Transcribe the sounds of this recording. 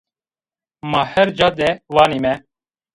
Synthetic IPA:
maːhɛɾd͡ʒaːd̪ɛwɑːniːmɛ

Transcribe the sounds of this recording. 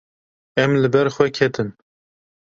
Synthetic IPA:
ɛmlɨbɛɾxʷwɛkʰɛt̪ɨn

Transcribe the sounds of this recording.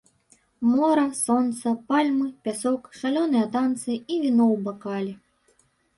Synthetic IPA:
mɔɾɐsɔnt̪sɐpalʲmɨpʲasɔkʂalʲɔnɨjɐt̪ant̪sɨivʲinɔwbakalʲi

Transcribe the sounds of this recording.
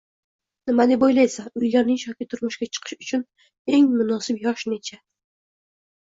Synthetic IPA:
nɪmad̪ɪbojlajsaʊjlaɾnɪŋʃɒkʲɪt̪ʰʊɾmʊʃɡʲat͡ʃʰɨ̥qʰɨ̥ʃʊt͡ʃʰʊn | e̞ŋmʊnɒsɪpjɒʃne̞t͡ʃʰa

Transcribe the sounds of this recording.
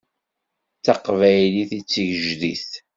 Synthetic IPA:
t͡sːɑqvæjliθit͡sːəʝəʒðiθ

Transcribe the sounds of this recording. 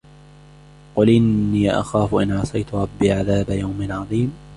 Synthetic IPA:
qʊlʔɪnːiːʔa̰xaːfʊʔɪnʕɑsˤɑjt̪ʊɾˤɑbːiːʕaðaːbajawmɪnʕɑðˤiːm

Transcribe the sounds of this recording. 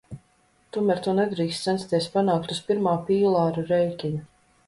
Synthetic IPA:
t̪umæɾt̪unɛd̪ɾiːkst̪snt̪st̪iɛspanaːk̚t̪uspiɾmaːpiːlˠaːɾuɾɛjkʲiɲu

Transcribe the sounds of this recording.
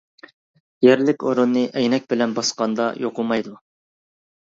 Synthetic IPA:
jæɾlɪkʲoɾunːɨʔɛjnɛk̚ʲbɪlɛnbɑsqɑnd̪ɑ̰joqʊmɑjd̪u

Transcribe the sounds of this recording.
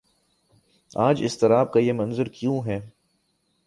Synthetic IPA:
aːd͡ʒɪst̪ɪɾaːb̚kajemɐ̃nzəɾkjũːɦɛː

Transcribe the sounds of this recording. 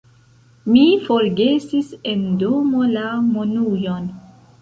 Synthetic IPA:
mifoɾɡe̞sise̞ndomolamonujon

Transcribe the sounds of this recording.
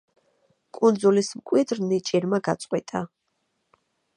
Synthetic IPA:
kʼund̪zulismkʼwid̪ɾnit͡ʃʼiɾmaɡat̪sʼqʼwit̪ʼa

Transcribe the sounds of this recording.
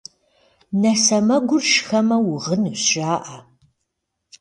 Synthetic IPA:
nɐsɐmɐɡʷʊrʃxɐmɐwʊʁənɨɕɕaːʔa

